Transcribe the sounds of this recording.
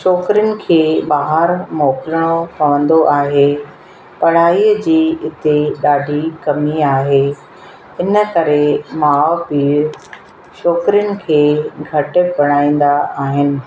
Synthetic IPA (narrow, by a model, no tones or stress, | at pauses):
ʃɔːkɾɪjʊnɪ̆kʰeːɓaːɦəɾmɔːkɾəɽ̃opɐʋə̃nd̪oʔaːɦe | pɐɽ̤aːiːəd͡ʑiːɪt̪eɗaːɖʱikɐmiaːɦe | ɪnə̆kɐɾemaːʋpiːɾ | ʃɔːkɾɪjʊnɪ̆kʰeːɡʱɐʈʊ̆pɐɽ̤̃aːĩːn̆d̪aaːɦɪnɪ̆